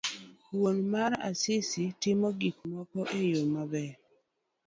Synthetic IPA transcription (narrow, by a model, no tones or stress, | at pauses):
wonmaɾa̰sɪsitɪmɔɡikmɔkɔʔejomabɛ